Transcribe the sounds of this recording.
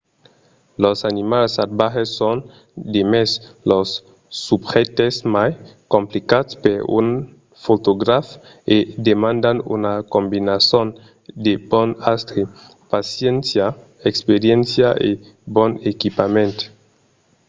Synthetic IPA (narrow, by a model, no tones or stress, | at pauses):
losanimalsat̚baxesːon | d̪emeslosː | ubxet̪esmajkomplikat̪speɾṵn | fot̪oɡɾaf | ed̪emãnd̪anṵnakombinason | d̪ebonast̪ɾe | pasjɛnsja | ekspeɾjensjaʔe | bonekipamẽnt̪